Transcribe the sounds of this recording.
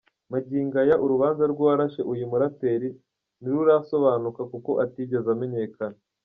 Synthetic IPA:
maɟiːŋɡajaʔuɾuβaːnzaɾɡwaɾaʃeʔujimuɾate̞ɾi | niɾuɾaso̞βaːnukakuko̞ʔatiɟe̞zame̞ɲe̞kana

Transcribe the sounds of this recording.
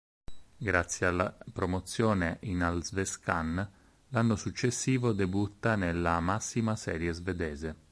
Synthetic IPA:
ɡɾat̪sːjealːa̰pɾomot̪sːjɔːneʔinalzveskan | lanːosut͡ʃːesːiːvod̪ebut̪ːanelːamasːimasɛːɾjezved̪ɛːze

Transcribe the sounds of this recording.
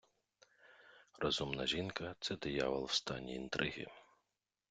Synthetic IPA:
rʔɔzumnɐʒʲinkɐt̪sɛd̪ɪjɑ̰ʋɐlˠwst̪ɑnʲːḭːnt̪ɾʔɪɦɪ̰

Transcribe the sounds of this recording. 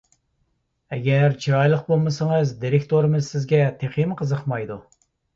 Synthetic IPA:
ɛɡʲɛɾt͡ʃʰiɾɑjlˠəq̚bolˠmɨsəŋɨzd̪iɾɪkʲt̪ʰoɾɨmɨzsɪzɡʲɛt̪ʰeχimqʰəzəqmɑjd̪u

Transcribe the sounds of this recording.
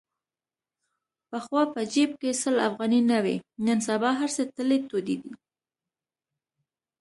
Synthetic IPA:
pəxwɑpəd͡ʒeb̚kesəlafɣɑninawḛnənsabɑɦaɾset̪əlet̪od̪id̪i

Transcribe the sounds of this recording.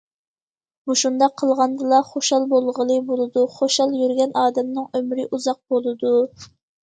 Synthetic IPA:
muʃund̪ɑqʰːəlˠʁɑnd̪ɨlˠɑχoʃɑlˠbolˠʁəlˠɨbolˠɨd̪uχoʃɑlˠjyɾɡʲɛnɑːd̪ɛmnɨŋømɾɪʔuzɑq̚bolˠɨd̪u

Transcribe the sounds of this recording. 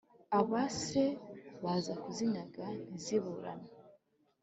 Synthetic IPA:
aβaseβazakuzinaɡaniziβuɾa̰na

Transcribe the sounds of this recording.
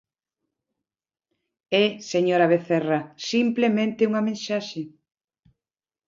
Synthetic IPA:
ɛseɲoɾaβ̞eθɛrɐsimplemẽnt̪euŋɐmẽnʃaʃe

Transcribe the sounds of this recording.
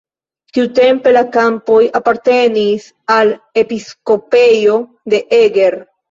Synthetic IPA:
tiute̞mpe̞lakampo̞japaɾte̞nis | ale̞pisko̞pe̞jo̞ | de̞ʔeɡe̞ɾ

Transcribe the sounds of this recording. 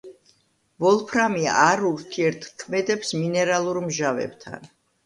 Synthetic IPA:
vɔlˠpʰɾamiaaɾuɾt̪ʰiɛɾt̪ʰkʰmɛd̪ɛpsminɛɾalˠuɾmʒavɛ̰bt̪ʰa̰n

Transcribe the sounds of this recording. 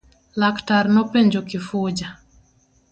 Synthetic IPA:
laktaɾnɔpeɲd͡ʒokɪfud͡ʒa

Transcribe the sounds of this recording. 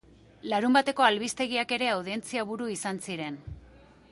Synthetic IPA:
laɾumbat̪e̞ko̞alβist̪e̞ɣiake̞ɾe̞awð̞ie̞nt͡siaβ̞uɾuisansiɾe̞n

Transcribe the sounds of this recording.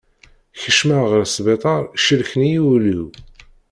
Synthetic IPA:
çəʃmaʁəɾsbet̪ˤɑɾˤʃəlçnijiluw

